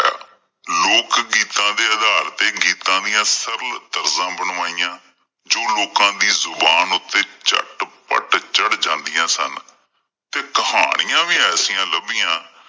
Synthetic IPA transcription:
loːkɡiːt̪ãːd̪eːəd̪aːlt̪eːɡiːt̪ãːd̪ɪjãːsəɾəlt̪əɾzãːbəɳːaːijãː | d͡ʒoːloːkãːd̪iːzʊbaːnʊt̪ːeːt͡ʃə̰ʈpə̰ʈt͡ʃəɽd͡ʒãːnd̪ɪjãːsə̰n | t̪eːkəha̰ːɽ̃ɪjãːʋiːɛːsijãːləbijãː

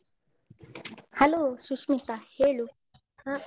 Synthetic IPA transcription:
halosusmĩtahelo

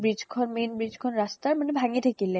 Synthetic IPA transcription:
bɾid͡ʑkʰɔnmenbɾid͡ʑkʰɔnɾast̪aɾmanebʱaŋet̪ʰekile

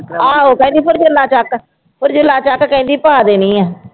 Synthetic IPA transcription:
aːoːkɛ̃ːd̪iːpʰʊɾd͡ʒʊlːaːt͡ʃak | pʰʊɾd͡ʒʊlːaːt͡ʃakkɛ̃ĩnd̪iːpaːd̪eːnĩːɛ̃ː

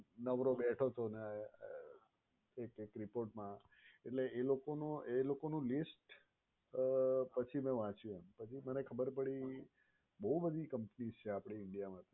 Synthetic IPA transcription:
nəʋɾobeʈʰot̪ʰone | ekekɾipoɾʈmã | eʈleelokonoelokonũlisʈ | pət͡ʃʰimɛ̃ʋãt͡ʃũempət͡ʃʰimənekʰəbəɾpəɽi | bəɦubəd̪ʱikəmpnizt͡ʃʰeapɽ̃iɪɳɖijamãt̪ʰ

